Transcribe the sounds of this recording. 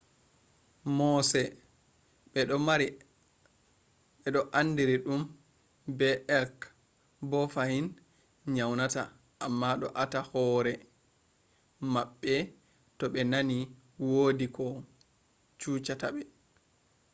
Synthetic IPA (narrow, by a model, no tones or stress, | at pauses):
mɔsɛ | ɓɛɗɔmaɾi | ɓɛɗɔʔandiɾiɗum | bɛʔɛk | bɔfahin | ɲawnata̰ | ʔamːaɗɔ̰ʔatahɔɾɛ | maɓːɛ | tɔɓɛnani | wodikɔ | t͡ʃuːt͡ʃataɓɛ